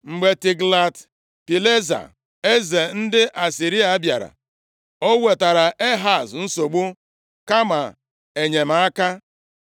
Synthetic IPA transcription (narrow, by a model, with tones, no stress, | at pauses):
ŋ͡m̩˨ɡ͡be˨ti˨ɡla˨t | pi˨le˦za̰˨ | e˦ze˨n̩˦dɪ˦ʔa˨si˨ɾi˦a˨˦bja˨ɾa̰˨ | o˦we˨ta˨ɾa˨ʔe˦ɦa˨sn̩˦so˨ɡ͡bu˦ | ka˦ma˨ | e˨ɲe˨m̩˨a˦ka˦